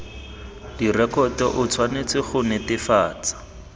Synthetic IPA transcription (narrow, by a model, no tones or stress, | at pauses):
dirɛkɔtɛʔʊt͡sʰwanet͡sɪχʊnɪtɪfaːt͡sḁ